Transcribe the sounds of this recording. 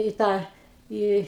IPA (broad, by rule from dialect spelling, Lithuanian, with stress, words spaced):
iː ˈtɑː ˈiː